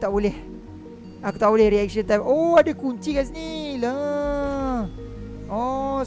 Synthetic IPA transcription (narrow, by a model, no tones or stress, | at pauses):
t̪aʔbolɛh | akut̪aʔbolɛhɾiɛk̚ʃə̃nt̪ajmoadakuɲt͡ʃikas̬inila | ɔ